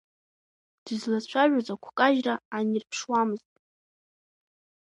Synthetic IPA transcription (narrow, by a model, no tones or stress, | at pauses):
d̥ɨzlat͡ɕʷʰaʒᶣazakʷʰkʼaʒraːnirpʰʂwamɨztʼ